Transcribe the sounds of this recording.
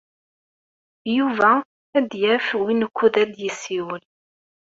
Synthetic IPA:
juvæ | æd̪jæfwinəkʷːuðæd̪jəsːiwəl

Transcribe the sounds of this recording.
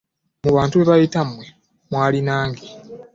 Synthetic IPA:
muβaːntuβe̞βajitamwe | mwaːlinaːŋɡi

